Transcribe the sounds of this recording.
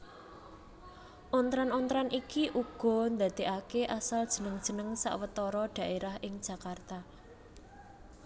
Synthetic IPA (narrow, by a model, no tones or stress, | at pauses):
ʔɔnt̪ɾanɔnt̪ɾanʔikiʔuɡ̥ɔ̤nd̪a̤d̪̥e̤ʔakeʔasald̥ʒ̥ə̤nəŋd̥ʒ̥ə̤nəŋsa̰ʔwət̪ɔɾɔɖ̥ä̤ʔeɾahɪŋd̥ʒ̥ä̤kart̪a